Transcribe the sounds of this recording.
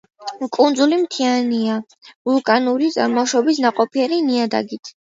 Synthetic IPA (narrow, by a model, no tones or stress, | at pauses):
kʼund̪zulimt̪ʰiania | vulˠkʼanuɾit̪sʼa̰ɾmɔʃɔbis̬naqʼɔpʰiɛɾiniad̪a̰ɡit̪ʰ